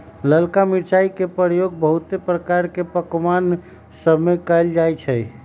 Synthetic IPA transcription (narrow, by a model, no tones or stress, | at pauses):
ləlkamiɾt͡ʃaikepəɾjoɡ̚bəɦut̪epɾəkaɾkepəkman | səbʱmekəjld͡ʒajt͡ʃʰəj